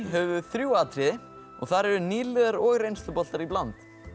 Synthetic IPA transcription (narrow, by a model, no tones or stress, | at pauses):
ɦœvʏθɾjuaːt̪ɾɪ | ɔ̰ɣθaɾɛɾʏniːlɪðaɾɔːɣrejnst̪ʏpɔl̥t̪aɾiplant̪